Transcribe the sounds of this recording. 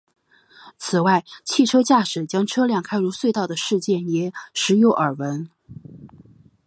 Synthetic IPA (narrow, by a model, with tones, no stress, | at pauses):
t͡sʰɹ̩˨˩wa˥˩ɪt͡ɕʰi˥˩ʈ͡ʂʰɤ˥t͡ɕja˥˩ʂɻ̩˨˩t͡ɕjɑ˥ŋʈ͡ʂʰɤ˥ljɑ˥˩ŋkʰa˥ɪɻu˧˥swe˥˧ɪt̪ɑ˥˩ʊd̪ə˩ʂɻ̩˥˧t͡ɕjɛ˥˩njɛ˧˥ʂɻ̩˧˥jo˧˥ʊʔə˞˨˩wə˧˥n